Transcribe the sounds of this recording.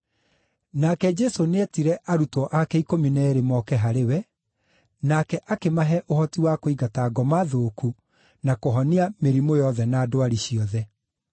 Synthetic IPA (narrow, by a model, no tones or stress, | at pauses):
nakɛd͡ʒɛsoneɛtiɾɛʔaɾutɔʔakɛikominɛːɾemɔkɛɦaɾewɛ | nakɛʔakemaɦɛʔohɔtiwakoiɡataːɡɔmaðoku | nakoɦɔniameɾimojɔðɛnaːdoaɾiɕiɔðɛ